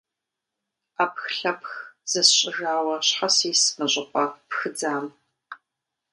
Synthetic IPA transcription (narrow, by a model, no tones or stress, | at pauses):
aːpxɬɐpxz̥ɐsɕʼɪʒaːwɐɕħasiːsmɐɕʼɪqʷʼɐpxɨd͡zaːm